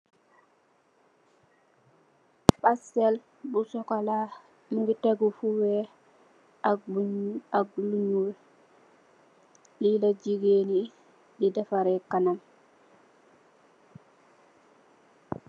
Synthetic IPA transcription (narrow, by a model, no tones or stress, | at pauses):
ɓasɛl | busɔkala | miŋɡitaɡufuwɛ | aɡluɲul | lilad͡ʒiɡeni | didafaɾɛkanam